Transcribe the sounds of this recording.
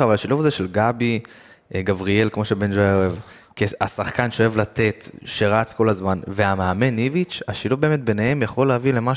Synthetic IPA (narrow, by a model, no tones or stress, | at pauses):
avalaʃiluvazeʃelɡabi | ɡavʁie̞lkmo̞ʃebend͡ʒoaoev | kia̰saχkanʃeoevlat̪e̞t̪ʃe̞ʁat͡sko̞lazmanveamaame̞nivit͡ʃaʃiluvbe̞ːme̞t̪̚be̞nehe̞mjaχo̞leavile̞ma